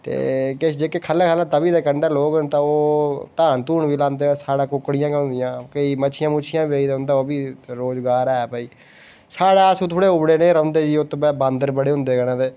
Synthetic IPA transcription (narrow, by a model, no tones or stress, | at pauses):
t̪ḛːkɪt͡ʃd͡ʒeːkekʰəlːaːkʰəlaːt̪əbiːd̪aːkəɳɖaːloːɡənt̪ãːoːt̪aːnt̪uːɳbiːlãːnd̪eːɛːsaːɽãːkʊkːɽɪjãːkːɦʊ̃nd̪ɪjãːkəiːmət͡ʃʰɪjãːmʊːt͡ʃʰɪjãːbieːiːd̪ɦʊ̃nd̪aːoːbiːɾoːzɡaːɾɛːpəːiː | saːɽaːsũːt̪ʰoːɽeːʊbɽeːnẽːɾə̃nd̪eːd͡ʒiːot̪õːbɛːbãːnd̪əɾbəɽeːɦʊ̃nd̪eːɡəɽãːt̪eː